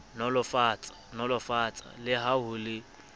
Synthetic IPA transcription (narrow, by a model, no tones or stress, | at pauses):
nɔlʊfaːt͡sʼḁnɔlʊfaːt͡sʼa̰lɪɦaɦʊlɪ